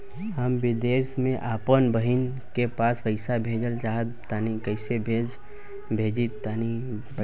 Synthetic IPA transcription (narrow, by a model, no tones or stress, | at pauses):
həmbɪd̪eːsmẽʔaːpənbəɦin | kepaːspəɪsabʱeːd͡ʒəlt͡ʃaːɦət̪ː | aːnikəɪsebʱed͡ʒ | bʱeːd͡ʒit̪ːaːni